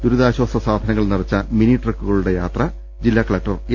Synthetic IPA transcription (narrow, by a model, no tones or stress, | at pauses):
d̪uɾuðaːɕwaːsɐsaːd̪ʱɐnɐŋːɐɭnirɐt͡ɕːɐminiʈrɐkːuɣɐɭuɽe̞jaːt̪rɐ | d͡ʑilːaːkɐɭɐk̚ʈɐr